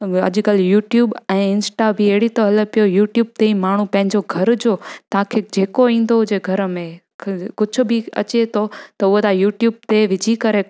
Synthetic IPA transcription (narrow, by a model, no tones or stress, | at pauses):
ɐ̰ʄʊ̆kəljuːʈjuːbɛ̃ːɪnsʈabieɦɽit̪oɦɐlə̆pijojuːʈjuːb̚t̪eĩmaːɳ̤upɐ̃ɦɪ̃ɲd͡ʑoɡʱɐɾd͡ʑoːt̪ɐɦãkʰed͡ʑeːkoĩːn̆d̪oɦʊd͡ʑeɡʱɐɾəmẽ | kkʊd͡ʑʱʊ̆bʱɪɐ̰t͡ɕet̪ʰot̪ɐʊɦot̪ʰajuːʈjuːb̚t̪eʋɪd͡ʑʱikɐɾe